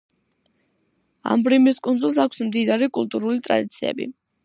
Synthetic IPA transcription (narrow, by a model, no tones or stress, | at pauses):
a̰mbɾimiskʼunzulˠs̬akʷʰsmd̪id̪aɾikʼṵlˠt̪ʼuɾulit̪ʼɾa̰d̪it̪sʰiɛ̰bḭ